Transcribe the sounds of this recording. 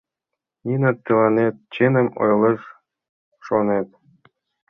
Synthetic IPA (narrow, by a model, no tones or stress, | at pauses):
nʲinɑt̪t̪ːɤlɑnet̪̚t͡ɕenɘ̆mo̰jlɤ̆ʃ | ʃonet̪̚